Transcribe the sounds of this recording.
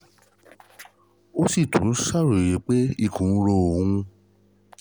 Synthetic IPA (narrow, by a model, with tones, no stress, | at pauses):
o˦si˦˨tũ˨˦sa˦˨ɾo˨je˨˦k͡pe˦i˧kũ˨˦ɾo˧˨wũ˦˧